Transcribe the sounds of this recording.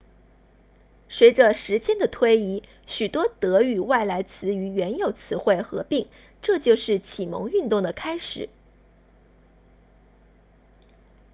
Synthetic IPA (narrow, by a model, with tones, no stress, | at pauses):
swe˧˥ɪʈ͡ʂə˧ʂɻ̩˧˥t͡ɕjɛ˥nd̪ə˨t̪ʰwe˥ɪi˧˥ | ɕy˨˩t̪wɔ˥t̪ɤ˧˥y˨˩wa˥˩ɪla˧˥ɪt͡sʰɹ̩˧˥y˧˥ɥɛ˧˥njo˨˩ʊt͡sʰɹ̩˧˥xwe˥˩ɪxɤ̰˧˥pi˥˩ŋ | ʈ͡ʂɤ˥˧t͡ɕjo˥˧ʊʂɻ̩˥˩t͡ɕʰi˨˩mɤ̰˧˥ŋy˥˧nt̪ʊ˥˩ŋd̪ə˩kʰa˥ɪʂɻ̩˨˩˦